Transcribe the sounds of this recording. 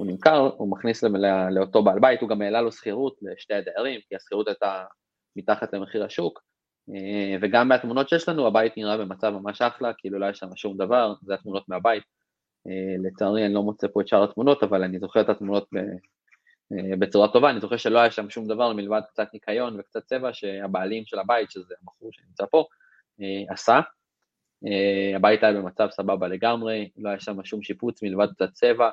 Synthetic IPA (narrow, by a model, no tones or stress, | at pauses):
unimkaʁumaχnislleleo̞t̪o̞baːlbait̪huɡameːlalosχiʁut̪leʃtead̪eaʁimkiasχiʁut̪ajt̪a | mitaχat̪le̞meχiʁhaʃuk | eve̞ɡamːeat̪munotʃejeʃlanuabait̪niʁabe̞mat͡savmamaʃaχlakeilulo̞ajaʃlamaʃumd̪avaʁzeat̪muno̞t̪meabait̪̚ | ele̞t͡saːʁianilo̞mot͡sepo̞et̪ʃaʁat̪muno̞t̪avalanizo̞χeet̪at̪muno̞t̪̚bḛ | ebet͡suʁat̪o̞vaːnizo̞χe̞ʃe̞lo̞ajaʃamaʃumd̪avaʁmilvad̪̚k̚t͡sat̪nikʰajo̞nvekt͡sat̪̚t͡se̞vaʃe̞abaːlimʃe̞labait̪ʃezeamaχuʃenimt͡sapo̞ | easa | eabait̪ajabe̞mat͡savsababale̞ɡamʁe̞lo̞ajaʃamaʃumʃiput͡smilvad̪̚k̚t͡sat̚t͡se̞va